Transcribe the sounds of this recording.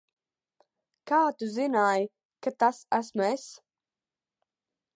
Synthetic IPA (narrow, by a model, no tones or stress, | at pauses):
kaːt̪uzinaːj | kat̪asæsmes